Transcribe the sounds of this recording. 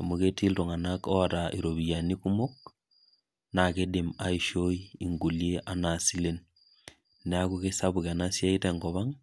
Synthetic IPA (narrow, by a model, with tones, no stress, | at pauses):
a˨mu˦ke˦ti˦lto˨ŋa˨nakɔ˦a˨taʔi˨ɾoβi˨ja˨niku˦mo˦k̚ | na˨ke˦de˨ma˦iʃo˦ii˨ŋɡu˨ljeʔa˨na˨si˦le˦n | nɛa˦ku˦ke˦saβu˨ka˨na˦sja˦itɛ˨ŋɡɔ˨βa˦ŋ